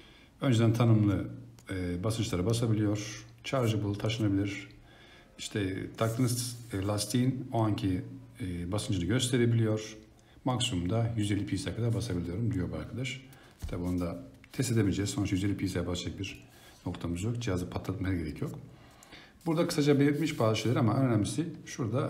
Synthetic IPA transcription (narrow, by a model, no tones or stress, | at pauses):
ø̞nd͡ʒed̪ænt̪ʰanɯmlˠɯ | basɯnt͡ʃlˠaɾabasabilʲijo̞ɾ̥t͡ʃʰaɾʒɯbulˠɯt̪ʰaʃɯnabilʲiɾ̥ | iʃt̪ʰɛt̪ʰak̚t̪ʰɯnɯzlʲˠast̪ʰinoaɲcʰi | basɯnd͡ʒɯnɯɟø̞st̪ʰe̞ɾe̞bilʲijo̞ɾ̥ | maksumumd̪ajyze̞lʲːipʰisajkʰad̪aɾbasabilʲijo̞ɾumd̪ijo̞ɾba̰ɾkʰad̪aʃ | t̪ʰabonud̪a | t̪ʰɛst̪e̞d̪ebilʲd͡ʒɛzsonɾt͡ʃjyze̞lʲːipʰiːsajabasd͡ʒak̚biɾ | no̞kt̪ʰamɯzjokd͡ʒijazɯpʰat̪lˠat̪masɯɟe̞ɾɛcʰjo̞k | buɾd̪akʰɯ̥sad͡ʒabelʲiɾt̪miʃbaːzɯʃelʲɾamaøɾnʲæmisiʃuɾd̪a